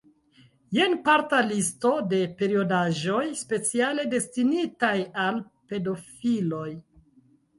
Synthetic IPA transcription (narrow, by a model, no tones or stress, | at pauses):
je̞npaɾtalisto̞de̞pe̞ɾio̞daʒo̞jspe̞t͡siale̞de̞stinitajalpe̞do̞filo̞j